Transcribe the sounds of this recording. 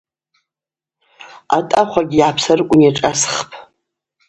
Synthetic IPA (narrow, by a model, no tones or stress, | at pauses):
a̰tʼaχʷaɡʲijʕapʰsarkʷʼʊnjaʈ͡ʂʼasχpʰ